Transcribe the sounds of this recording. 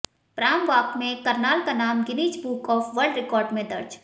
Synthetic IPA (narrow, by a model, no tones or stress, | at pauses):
pɾaːmʋaːk̚mẽkɐɾnaːlkanaːmɡɪniːd͡ʒbuːkɔːfʋɐɾɖɾɪkɔːɾɖmẽd̪ɐɾd͡ʒ